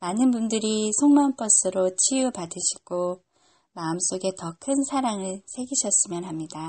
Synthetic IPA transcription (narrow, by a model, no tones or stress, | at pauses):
manɯnbundɯɾisʰoŋmʌnp͈ʌs͈ɯɾot͡ɕʰijupadɯɕʰi̥ɡ̥o | maɯms͈oɡe̞tʌkʰɯnsʰaɾaŋɯɭsʰe̞ɡiɕʰʌs͈ɯmjʌnɦamɲida